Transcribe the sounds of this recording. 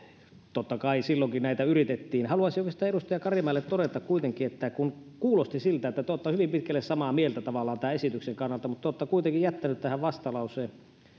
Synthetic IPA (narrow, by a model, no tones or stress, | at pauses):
t̪ot̪ːɑkɑisilːoŋkinnæit̪æyrit̪et̪ːiːnhɑluɑsijokɑsi̥t̪æeɾust̪ɑjɑkɑrimɑˑelːet̪t̪oɾet̪ɑkkuit̪eŋkˑiet̪ːækun | kuːlost̪isilt̪æet̪ːæt̪ot̪ːɑhyʋimpit̪kælːessɑmɑmielt̪æt̪ɑʋɑlːˑɑːnt̪æːesit̪ykseŋkɑnːɑlt̪ɑmut̪t̪ːot̪ːɑkuit̪eŋkijæt̪ːænyt̪t̪æhæʋʋɑst̪ɑlɑuseː